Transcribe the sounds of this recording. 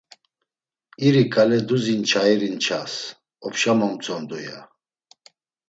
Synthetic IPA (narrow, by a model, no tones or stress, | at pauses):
iɾikʼalɛd̪uzint͡ʃʰaɛɾint͡ʃʰas | ɔpʃamɔmt͡sʼɔmd̪uja̰